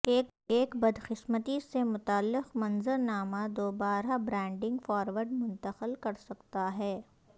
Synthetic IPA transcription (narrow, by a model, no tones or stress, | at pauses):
eːkbɐd̪xɪsmət̪isemʊt̪aːlːɪqmɐ̃nzəɾnaːmad̪oːbaːɾabɾɛ̃ːɳɖɪ̃ŋɡfɔːɾʋəɾɖmʊ̃nt̪əqəlkɐɾsɐkt̪aɦɛː